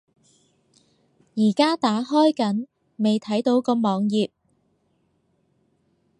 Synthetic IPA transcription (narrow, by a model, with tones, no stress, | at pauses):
jiː˨˩kaː˥t̪aː˨˥ɦɔː˥jkɐ˨˥n | me˨jt̪ʰɐ˨˥jt̪o˨˧wkɔː˧mɔː˨˧ŋjiː˨p̚